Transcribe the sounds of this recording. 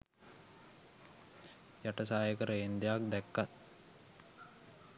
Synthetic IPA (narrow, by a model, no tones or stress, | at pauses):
jaʈəsaːjəkəɾəend̪ejak̚d̪ækːat̪̚